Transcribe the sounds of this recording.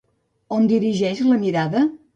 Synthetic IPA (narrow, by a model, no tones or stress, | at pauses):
ond̪iɾiʒɛʃləmiɾaðə